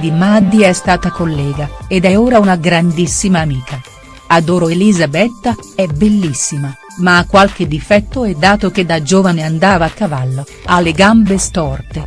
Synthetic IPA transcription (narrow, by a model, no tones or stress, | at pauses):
d̪imad̪ːiɛst̪aːt̪akolːɛːɡaed̪ɛoːɾaunaɡɾand̪isːimaːmiːkʰa | ad̪oːɾoelizabɛt̪ːaɛbelːisːima | maːkːwalk̟ed̪ːifɛt̪ːoɛd̪ːaːt̪ok̟ed̪ːad͡ʒoːvaneand̪aːvaːkːavalːo | alːeɡambest̪ɔrt̪e